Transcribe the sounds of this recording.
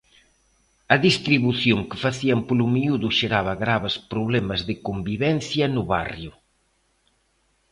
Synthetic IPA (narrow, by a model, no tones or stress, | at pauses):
ɐðist̪ɾiβuθjoŋkɪ̥faθiɐmpolumiuðʊʃeɾaβɐɣɾaβespɾoβlɛmɐzðɪkombiβɛn̟θjɐnʊβa̰rjʊ